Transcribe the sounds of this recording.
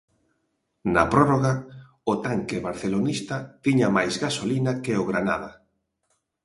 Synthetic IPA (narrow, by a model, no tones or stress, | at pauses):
napɾɔroɣa | ʊt̪aŋkeβaɾθelonist̪at̪iɲamajzɣasolinakeʊɣɾana̰ða